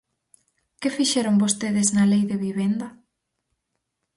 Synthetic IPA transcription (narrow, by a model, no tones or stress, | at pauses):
kɪfiʃɛɾombost̪eðɪznɐlejðɪβiβend̪ɐ